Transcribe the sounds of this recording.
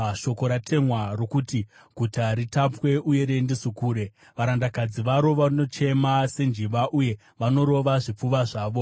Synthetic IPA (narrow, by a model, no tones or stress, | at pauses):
ʃo̞ko̞ɾatʰe̞mwarokuti | ɡ̥ʱutaɾitapwe̞ʔuje̞ɾe̞ndisukuːɾe̞ | ʋaɾandakad͡ziʋaɾo̞ʋano̞t͡ʃe̞mase̞nd͡ʒiʋaʔuje̞ | ʋano̞ɾo̞ʋaʐip͡fuʋaʐaːʋo̞